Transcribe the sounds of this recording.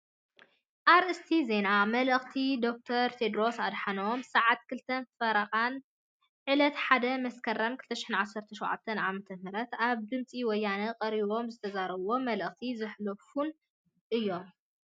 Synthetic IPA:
ʔaɾʔɨst̪ʰize̞namɐlɨxt̪ʰid̪o̞k̚t̪ʰɐɾt̪ʰed̪ɾo̞sad̪ħanɐomsaʕat̪kʰɨlt̪ʰɐnfɐɾɐqʼan | ʕɨlɐt̪ħad̪ɐmɐskʰɐɾɐmkʰɨlt̪ʰɐʃɪħinʕasːɐɾt̪ʰɐʃowʕa̰t̪ʰːɐnʕamɐt̪ʰɐhɨɾɐt̪aβd̪ɨmt͡sʼiwɔjːanɐqʼɐɾiβo̞mzɨt̪ʰɐzaɾɐβo̞mɐlɨxt̪ʰizɨħlofun | ʔɨjːo̞m

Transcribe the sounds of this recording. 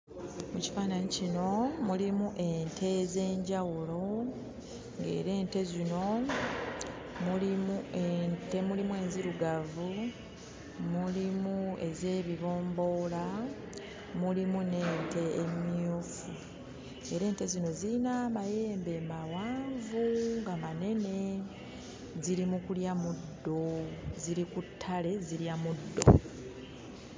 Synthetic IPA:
muci̥faːnaɲicino̞mulimuʔe̞ntʰe̞ze̞ːɲɟawulo̞ | ŋɡe̞̰ːɾe̞ːnte̞zino̞ | mulimuentemulimue̞ːnziɾuɡavu | mulimue̞ze̞ːβiβo̞ːmbo̞ːla | mulimune̞ːnte̞ːmjofu | e̞ɾe̞ːnte̞zino̞ziɾinamaje̞ːmbe̞mawaːɱvuŋɡamane̞ne̞ | ziɾimukuljamudːo̞ziɾikutʰːale̞ziljamudːo̞̰

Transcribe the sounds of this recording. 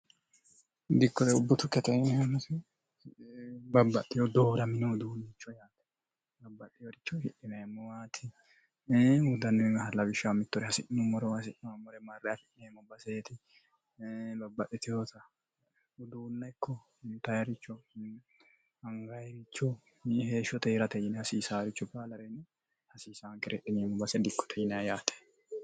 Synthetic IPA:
d̪ɪkːɔd̪ɛʊbːʊt̪ʊkːɛt̪ɛɛhɐnɐsɛ | bɐbːɐʔɪjɔd̪oːɾɐmɪnɔd̪uːnːɪt͡ʃːɔjaːt̪ɛ̥ | bɐbːɐtːɪjɔɾɪt͡ʃːɔfɪʔɪnɐjmːɔwaːt̪ʰɪ | wʊd̪ɐnːɛɛŋɡɐhɐlɐbɪʃɐwmɪt̪ːɔɾɛhɐsɪʔnɔmɔɾɔhɐsɪʔnɔmɔɾɛmɐrːɛjafɪʔɪnɛjmɔbɐseːt̪ɪ | bɐbːɐʔɪt̪ɪjoːt̪ɐ | ʊd̪uːnːɐɪkːɔ | ʊnt̪ːɐjɐɾɪt͡ʃːɔ | ɐŋɡɐjɾɪt͡ʃːɔ | heːʃɔt̪eːɾɐt̪ɛjɪnɛhɐsiːsaːɾɪt͡ʃːɔbaːlɐɾɛnːɛ | hɐsiːsaːŋkɪɾɛʔɪnemːɔbɐsɛd̪ɪkːɔ̥t̪ʰɛjɪnɐɐjaːt̪ʰɛ̥

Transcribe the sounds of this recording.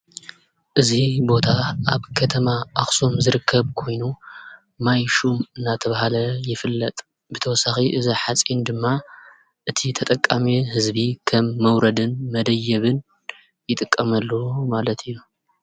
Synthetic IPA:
ʔɨzibo̞t̪ʰaʔaβkʰɐt̪ʰɐmaaxsomzɨɾɨkʰːɐβkʰo̞jnu | majʃumɨnːat̪ʰɐβahalɐjɪfɨlːɐt̪ʼ | bɨt̪ʰɐwɔsːaxiʔɨziħat͡sʼind̪ɨmːa | ʔɨt̪ʰit̪ʰɐt̪ʼɐkʼːamihɨzbikʰɐmːɐwɾɐd̪ɨnmɐd̪ɐjːɐβɨn | jɪt̪ʼɨkʼːɐmɐlːomalɐt̪ʰɨjːu

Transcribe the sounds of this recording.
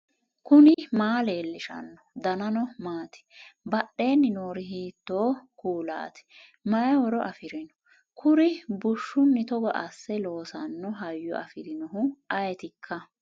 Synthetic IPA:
kʊnɪmaːleːlːɪʃɐ̰nːɔd̪ɐnɐnɔmaːt̪ɛ̥bɐɗe̞ːnːɪnoːɾɪhiːt̪ːoːkuːla̰ːt̪ɛ̥ | mɐjɛwɔɾɔʔɐfɪɾɪnɔ̥ | kʰʊɾɪbʊʃːʊnːɪt̪ɔɡɐʔɐsːɛlo̞ːsɐnːɔɦɐjːɔ̰ʔɐfɪɾɪnɔɦʊʔɐjɛt̪ɪkʰːɐ

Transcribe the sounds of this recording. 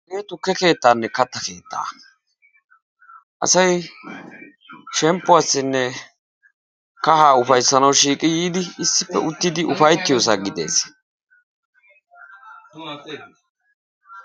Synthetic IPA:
ɡeːt̪ʊkːɛke̞ːt̪ːaːnːɛkɐt̪ːɐke̞ːt̪ːa̰ː | ʔɐ̰sɐj | ʃɛmpːʊaːsːɪnːɛ | kɐɦaːʊfɐjsːɐnɐwʃiːkʼɪjiːd̪ɪɪsːɪpːɛ̰ʊt̪ːɪd̪ɪʔʊfɐjt̪ːɪjo̞ːs̬aːɡɪd̪e̞̰ːs

